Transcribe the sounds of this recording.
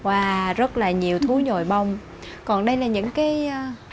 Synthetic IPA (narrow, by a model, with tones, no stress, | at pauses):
ʔwaː˨˩zə˦˥t̚laː˨˩ɲi˨˩əwt̪ʰu˨˦ɲo˨˩jɓa˧wŋ͡m | kɔ˨˩nɗə˧jlaː˨˩ɲɨ̰˧˥ŋkaː˨˦j